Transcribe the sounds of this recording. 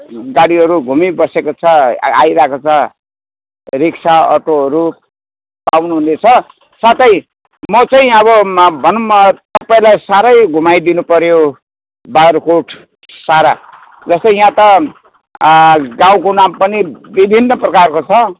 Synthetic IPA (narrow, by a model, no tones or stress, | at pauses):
ɡaɽiɦʌɾuɡʱumibʌsekot͡sʰʌa̰jɾaekot͡sʰʌ | riksʰaʌ̰ʈoɦʌɾu | pawnuɦunet͡sʰʌ | sat̪ʌĩ | mʌt͡saĩʌβʌbʱʌnumʌt̪ʌpaĩlajsaɾʌjɡʱumajd̪inupʌɾjo | baɾkoʈʰ | saɾa | d͡zʌst̪ʌjãt̪ʌ | ɡãw̃konampʌnibibʱinːʌprʌkarkot͡sʰʌ